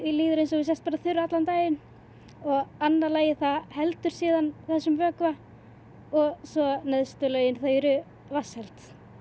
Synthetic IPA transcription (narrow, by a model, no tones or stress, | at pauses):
iliːðʏɾɪnsɔɣvɪs̬ɛst̪̚paːɾaθʏɾːat̪lant̪aːjɪn | ɔɣanːalaːjɪθahɛlt̪ʏɾ̥siːðanθɛsːʏmvœːkva | ɔɣsɔnɛðst̪ʏlœɥjɪnθœɥɾʏ | vashɛlt̪